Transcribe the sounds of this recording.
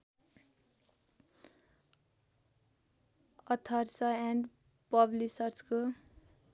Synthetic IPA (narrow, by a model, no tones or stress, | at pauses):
ʌt̪ʰʌrsʌãɳɖ | pʌblisʌrt͡sʰko